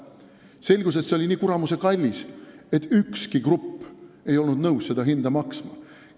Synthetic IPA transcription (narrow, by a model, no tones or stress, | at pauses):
se̞lʲɡ̥us̬et̪seoliniːkuɾɑmuse̞kɑlʲːise̞t̪ːˑykskikrupː | e̞jo̞lnud̪nɤwsse̞d̪̥ɑɦind̪ɑmɑksmɑ